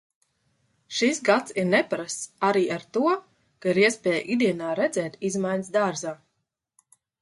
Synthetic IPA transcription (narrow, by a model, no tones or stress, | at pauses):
ʃisɡat̪siɾnɛpɾast̪aɾiːʔaɾt̪uɔ | kaiɾiɛspʲɛːj̰ʔid̪iɛnaːɾɛd̪zɛːt̪izmajns̬d̪aːɾzaː